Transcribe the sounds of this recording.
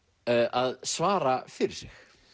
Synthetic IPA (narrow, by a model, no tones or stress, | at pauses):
ʔaðsvaːɾafɪɾɪɾ̥sɪx